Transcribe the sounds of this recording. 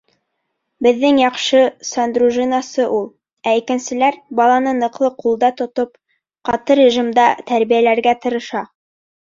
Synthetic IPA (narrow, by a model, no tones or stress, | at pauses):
bɘ̆ðːɘŋjɑqʃɤsand̪ruʒinasɤʔulˠ | æikɘ̆nsɘ̆læɾbɑlˠɑnɤnɤ̆qlˠɤqulˠd̪ɑt̪ŏt̪op | qɑt̪ɤɾʲɪʒimd̪ɑt̪æɾβijælæɾɡæt̪ɤ̆ɾɤ̆ʃɑ